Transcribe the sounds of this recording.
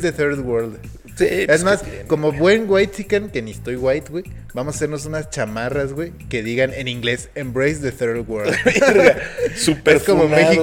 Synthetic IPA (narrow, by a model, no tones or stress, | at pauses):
ðeθeɾðwoɾld̪ | siezmasko̞mo̞βwe̞ŋɡwajt̪sikanke̞niest̪o̞jɣwajt̪ɡwe | bamosase̞ɾno̞s̬unast͡ʃamarazɣwe | ke̞ðiɣane̞nĩŋɡle̞sembɾejsðeθeɾðwoɾd̪ | supeeskomommexi